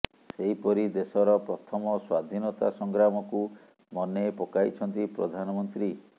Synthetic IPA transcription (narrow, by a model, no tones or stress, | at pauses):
seɦipɔɾid̪esɔɾɔpɾɔt̪ʰɔmɔswad̪ʱinɔt̪a̰sɔŋɡɾamɔku | mɔnepɔkajt͡ʃʰɔnt̪ipɾɔ̰d̪ʱanɔmɔnt̪ɾi